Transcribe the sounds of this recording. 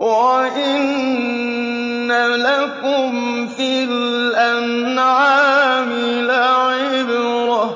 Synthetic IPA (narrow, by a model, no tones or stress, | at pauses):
waʔɪn | alakʊm | fɪl | ʔan | ʕaːmɪ | laʕɪbɾa